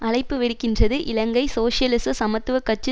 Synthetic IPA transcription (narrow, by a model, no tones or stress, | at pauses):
ɐɻɐɪpːɯʋɪɽɯkːɪndrɐðɯʔɪlɐŋɡɐɪsoːʂjɐlɪsɯsɐmɐt̪ːɯʋɐkːɐt͡ʃːɯ